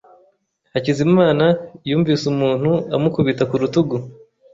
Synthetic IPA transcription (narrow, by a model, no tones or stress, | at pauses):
hacizimaːnajuːɱviːsumuːn̥huamukuβitakuɾutuɡu